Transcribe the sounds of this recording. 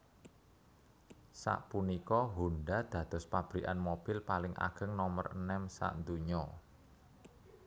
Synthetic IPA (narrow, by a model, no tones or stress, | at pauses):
sa̰ʔpunikɔɦunɖad̪̥ä̤d̪̥ɔ̤spab̥ɾiʔanmob̥ɪlpalɪŋʔa̰ɡ̥ə̤ŋnɔmərnɛmsa̰ʔnd̪uɲɔ